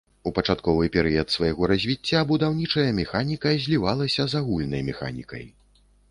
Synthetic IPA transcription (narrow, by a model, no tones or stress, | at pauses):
upɐt͡ʂat̪kɔvɨpʲɛɾɨjɐt̪svajɣɔɾɐzʲvʲit͡sʲːabud̪awnʲit͡ʂɐjɐmʲɛxanʲikɐzʲlʲivalˠɐsʲɐzaɣulʲnɐjmʲɛxa̰nʲḭkɐ̰j